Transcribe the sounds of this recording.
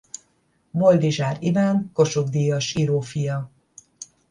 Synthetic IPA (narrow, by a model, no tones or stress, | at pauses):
bo̞ld̪iʒaːɾivaːŋko̞ʃoɡd̪ijɒʃiɾoːfijɒ